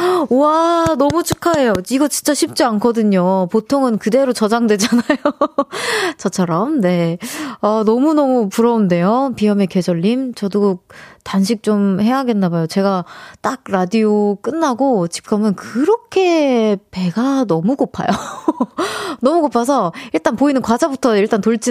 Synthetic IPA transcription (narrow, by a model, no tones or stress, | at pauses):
anʌmut͡ɕʰɯkʰae̞joiɡʌt͡ɕint͡ɕ͈aɕʰip̚t͡ɕ͈iankʰʌdɯɲopotʰoŋɯnkɯde̞ɾot͡ɕʌd͡ʑaŋdwe̞d͡ʑanajo | t͡ɕʌt͡ɕʰʌɾʌmne̞anʌmunʌmupuɾʌunde̞jopiʌme̞ke̞d͡ʑʌɭːimt͡ɕʌdutanɕʰik̚t͡ɕ͈omheŋɦaɡe̞nːabajot͡ɕe̞ɡat͈ak̚ɾadiok͈ɯnːaɡot͡ɕi̥p̚k͈ʰʌmɯnkɯɾʌkʰe̞pe̞ɡanʌmuɡopʰa̰jo | nʌmuɡopʰas̬ʰʌiɭt͈anpoinɯnkwad͡ʑabutʰʌiɭt͈antoɭt͡ɕ͈i